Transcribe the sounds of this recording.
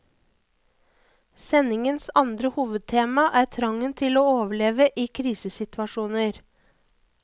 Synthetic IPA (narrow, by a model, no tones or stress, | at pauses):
sɛnɪŋənsɑnd̪ɾəhuːʋəd̪̚t̪ʰeːmɑʔæːt̪ʰɾɑŋənt̪ʰɪloːoːʋəɭeːʋəʔiːkʰɾiːsəsɪt̪ʰʋɑʃuːnəɾ